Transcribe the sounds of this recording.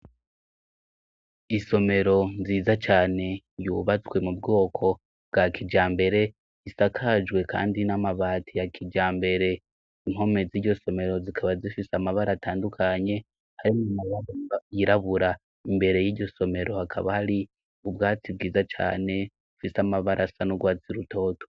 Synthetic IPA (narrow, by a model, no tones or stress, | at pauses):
iso̞me̞ɾo̞ziːzat͡ʃaːne̞ | juβat͡swe̞mubɡoːkʰo̞ | bɡakʰid͡ʒaːmbe̞ɾe̞ | isakʰad͡ʒɡwe̞kʰa̰ːndinamaβaːtʰijakʰid͡ʒaːmbe̞ɾe̞ | imho̞me̞ziɟo̞so̞me̞ɾo̞zikʰaβazifisamaβaɾataːndukʰaɲe̞ | haɾimumajaβjiɾaβuɾa | imbe̞ɾe̞jiːɟo̞so̞me̞ɾo̞hakʰa̰βahaɾi | ubɡaːt͡sib̚ɡiːzat͡ʃa̰ːne̞ | ufisamaβaɾʔasanuɡwaːt͡siɾuto̞ːto̥